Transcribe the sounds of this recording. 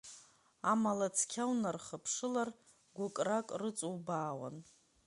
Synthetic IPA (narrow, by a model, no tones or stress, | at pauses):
amalat͡sʰkʲʰawnarχəpʰʂɨlar | ɡʷʊkʼrakʼrɨt͡sʼuwbaːwa̰n